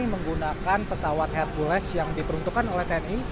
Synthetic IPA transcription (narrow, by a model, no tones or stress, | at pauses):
iməŋɡunakanpəsawat̪̚hɛr̚bulɛsjaŋdipəɾunt̪ukanolɛht̪ɛɛni